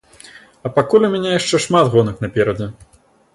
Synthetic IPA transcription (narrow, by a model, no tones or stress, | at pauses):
ɐpakulʲumʲanʲɛjaʂt͡ʂɛʂmat̪ɣɔnɨxnɐpʲɛɾɐd͡zʲɛ